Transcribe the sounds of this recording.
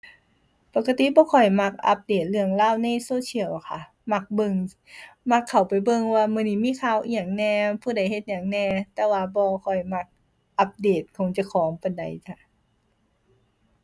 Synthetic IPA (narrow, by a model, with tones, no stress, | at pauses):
pa˧˩ka˧t̪i˧˨bɔː˧˦kʰɔ˨˩jma˧˩k̚ʔa̰˧˦p̚deː˨˩t̪̚lɯ˧əŋlaː˧˥˨wna˧˩˨jsoː˧˥˨t͡ɕʰi˧˩˨əwkʰa˧˩ | ma˧˩k̚bɤ˧ŋ | ma˧˥˩kʰːa˨˩wpa˨jbɤ˧ŋwaː˧mɯ˧˨niː˧˩˨miː˧˥˨kʰaː˧˩˨wʔi˧˨˩ŋnɛː˧pʰuː˧˩da˧˨˩jhe˧t̪̚ɲaː˨˩ŋnɛː˧˩t̪ɛː˧waː˧bɔː˧kʰɔ˨˩jma˧˩k̚ | ʔa˧p̚deː˨˩t̪̚kʰɔ˧˦ŋt͡ɕa˧˦kʰɔː˨˦ŋpa˨˧˦jda̰˨˩jka˧˩